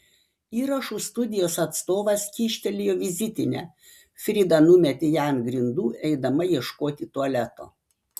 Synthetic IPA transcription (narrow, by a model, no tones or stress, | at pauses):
iːɾɐʃuːst̪ʊd̪ʲɪjoːsɐt̪st̪oːʋɐskʲiːʃʲt̪ʲɛlʲɪjoːʋʲɪzʲɪt̪ʲɪnʲæ̰ː | fʲɾʲɪd̪ɐnʊmʲɛt̪ʲɪjænɡɾʲɪnd̪uːɛɪd̪ɐmɐjiɛʃkoːt̪ʲɪt̪uɐlʲæt̪o̰ː